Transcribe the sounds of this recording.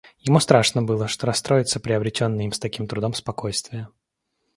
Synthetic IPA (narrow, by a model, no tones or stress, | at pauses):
jɪmust̪ɾaʂnəbɨlˠəʂt̪oɾɐst̪ɾo̞jɪt̪səpɾʲɪɐbɾʲɪtʲo̞nːəjimst̪ɐkʲimt̪ɾʊd̪o̞mspɐko̞jst̪vʲɪjə